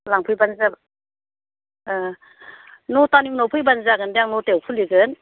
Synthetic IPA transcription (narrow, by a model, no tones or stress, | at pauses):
laŋpʰɯjbanza | nɔtaniŋnɔwpʰɯjbanzaɡɯndeaŋnɔtewpʰunliɡɯn